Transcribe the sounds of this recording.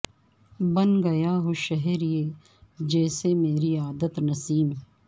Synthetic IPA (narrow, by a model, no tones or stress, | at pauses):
bɐnɡɐjaɦoʃɐɦɛɾijeː | d͡ʒɛːsemeːɾiaːd̪ət̪nɐsiːm